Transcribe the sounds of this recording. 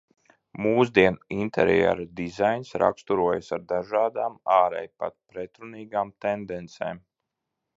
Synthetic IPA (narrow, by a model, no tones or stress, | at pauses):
muːzd̪iɛnint̪ʰɛ̰ɾɛ̰ɾad̪izajnsɾa̰kst̪uɾuɔjasaɾd̪aʒaːd̪aːmaːɾɛ̰jpa̰t̪̚pɾɛt̪ɾuniːɡaːmt̪ɛnd̪ɛnt̪sḛːm